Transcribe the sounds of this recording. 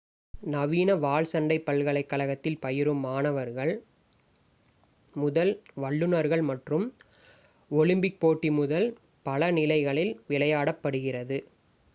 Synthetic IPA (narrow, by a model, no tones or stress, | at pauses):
nɐʋiːnɐʋaːɭsɐɳɖɐɪpːɐɭɣɐɭɐɪkːɐɭɐɣɐt̪ːɪlpɐjɪɾɯmːaːnɐʋɐɾɣɐɭ | mʊðɐlʋɐɭːɯnɐɾɣɐɭmɐʈrɯm | ɔlɪmbɪk̚poːʈːimʊðɐl | pɐlɐnɪlɐɪɣɐɭɪlʋɪlɐjaːɽɐpːɐɽɯɣɪrɐðɯ